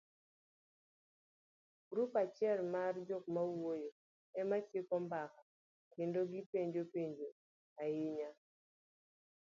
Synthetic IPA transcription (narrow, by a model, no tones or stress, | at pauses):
ɡɾupat͡ʃjɛlmard͡ʒok̚mawojo | ɛmat͡ʃɪkɔmbaka | kendoɡɪpeɲd͡ʒopeɲd͡ʒo | ajɪɲa